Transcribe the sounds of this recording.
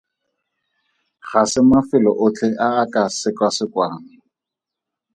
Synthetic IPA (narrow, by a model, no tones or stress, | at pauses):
χasɪmafɪlɔʔʊt͡ɬʰʼɛʔaːkʼasɪkwasɪkwaːŋɪ